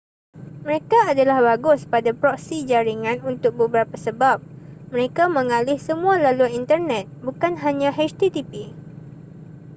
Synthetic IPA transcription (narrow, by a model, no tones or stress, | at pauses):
mə̃ɾekaːdalahbaɡʊspadapɾɔksid͡ʒaɾiŋãnunt̪ʊk̚bəbəɾapasəbap̚məɾekamə̃ŋalɪhsəmũalaluaint̪ərnɛt̪̚bukanɦaɲãɦɛt͡ʃt̪it̪ipi